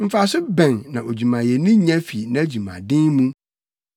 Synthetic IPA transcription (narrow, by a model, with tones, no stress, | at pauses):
m̩˦˨fa˨sʊ˦bɛ̃˨nnã˨o˨d͡ʑu˨mã˨jɛ˨nũ˦ɲã˦fi˨nã˨æ˦d͡ʑu˨mã̰˨dɪ̃˦ŋmũ˦